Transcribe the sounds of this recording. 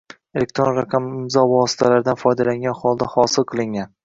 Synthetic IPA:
elek̚ʲt̪ɾonɾaqʰɑmɪmzɒvɒsɪ̥t̪ʰalaɾd̪anfɒjd̪alaŋɡʲanχɒlˠd̪ahɒsɪlˠqʰɨlˠɪŋɡʲan

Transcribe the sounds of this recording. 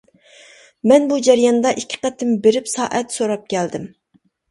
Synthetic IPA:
mɛnbud͡ʒɛɾjɑnd̪ɑʔikʲʰːɪ̥qɛt̪ʰɪmbeɾɪpsɑːʔɛt̪soɾɑp̚kʲʰɛld̪ɪm

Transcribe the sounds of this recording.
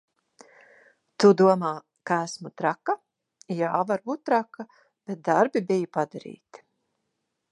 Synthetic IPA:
t̪ud̪uɔmaː | kaæsmut̪ɾaka | jaːvaɾbuːt̪̚t̪ːɾaka | b̥et̪̚d̪aɾbibijupad̪aɾḭːt̪i̥

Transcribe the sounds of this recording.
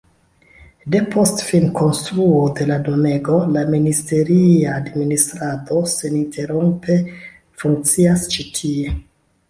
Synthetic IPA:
de̞pʰo̞stfilmko̞nstɾuode̞ladone̞ɡo̞laministe̞ɾiaːdministɾado̞se̞nintʰe̞ɾompʰe̞ | fuŋk̚t͡siast͡ʃitʰie

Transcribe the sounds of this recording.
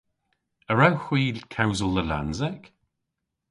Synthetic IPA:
əɹawxw̥iːlkʰawzəlˠðəla̰nzɛk

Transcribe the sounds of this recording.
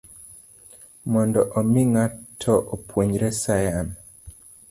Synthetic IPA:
mɔndɔʔomiŋatʰɔʔopʰwoɲɾɛsajan

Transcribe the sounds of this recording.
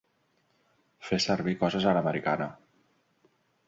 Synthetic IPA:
fesəɾβikɔzəzələməɾikanə

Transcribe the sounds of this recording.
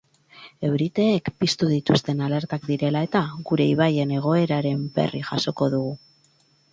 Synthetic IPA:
e̞wɾit̪e̞ːkpist̪uð̞it̪ust̪e̞nale̞ɾt̪akd̪iɾe̞lae̞t̪aɣuɾe̞iβ̞aje̞ne̞ɣ̞o̞e̞ɾaɾe̞mbe̞̰riʝaso̞ko̞ðuɣu

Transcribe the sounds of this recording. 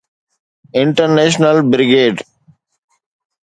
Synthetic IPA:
ɪ̃ɳʈəɾneːʃ̬nəlbɾɪɡeːɖ

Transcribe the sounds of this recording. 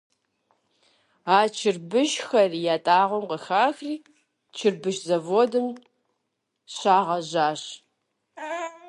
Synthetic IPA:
aːt͡ʃʰɪrbɨʃxɐrijaːtʼaːʁʷɔmqəxaːxriː | t͡ʃʰɪrbɨʃzɐvoːdɨm | ɕaːʁɐʑaːɕ

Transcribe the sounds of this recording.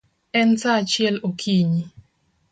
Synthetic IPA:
ɛntat͡ʃjɛlokʰiɲi

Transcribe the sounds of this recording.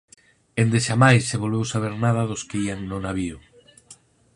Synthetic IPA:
ẽnd̪eʃamajsːeβolβewsaβ̞eɾnaðɐðʊskeiaŋnʊnaβiʊ

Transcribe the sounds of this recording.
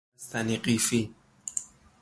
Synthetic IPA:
st̪aniqʼifi

